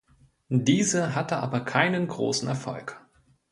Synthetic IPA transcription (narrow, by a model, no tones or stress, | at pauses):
diːzəɦatəʔa̰ːbɐkʰaɪnənɡʁo̰ːsn̩ɛɐfɔ̰lk